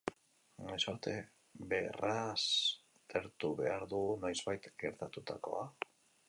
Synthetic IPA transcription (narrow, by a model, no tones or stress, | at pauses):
najsoɾt̪e̞ | be̞ras | t̪ʰeɾt̪uβe̞aɾðuɣunajzβajt̪ɡe̞ɾt̪at̪ut̪a̰ko̞̰a